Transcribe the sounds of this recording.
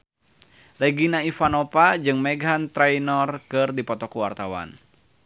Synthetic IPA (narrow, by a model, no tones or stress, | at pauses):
lɛɡinaifanɔpad͡ʒɨŋmɛɡɦant̪ɾɛjnɔrkɨrdipɔt̪ɔkuwart̪awa̰n